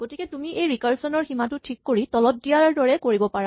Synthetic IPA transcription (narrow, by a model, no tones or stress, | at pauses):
ɡ̥otikɛtumiʔejɹikaɹsɔnɔɹximatʊtʰikːoɹitɔlɔt̚dijaɹdɔɹɛkoɹibɔpaɹa